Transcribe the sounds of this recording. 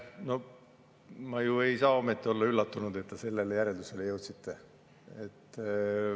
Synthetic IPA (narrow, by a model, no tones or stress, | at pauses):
no̞ | mɑjue̞jsɑːo̞me̞t̪ːio̞lːɑylːɑt̪ːunud̪̥e̞t̪ːese̞lːelːejæɾe̞ld̪uselːejɤwt̪sit̪ːe | et̪ː